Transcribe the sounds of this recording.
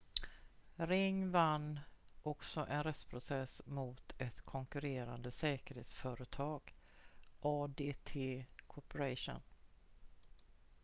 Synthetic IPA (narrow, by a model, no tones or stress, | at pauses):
ɾɪŋːvanːʔɔksɔʔɛnɾɛt̪spʰɾʊsɛsmʊːt̪ʰɛt̪kʰɔŋkɵɾeːɾand̪əsɛːkəɾheːt̪sfœːɾət̪ʰɑːɡ̥ | ʔɑːd̪eːt̪ʰeːkʰɔpəɾaʂʊ̰n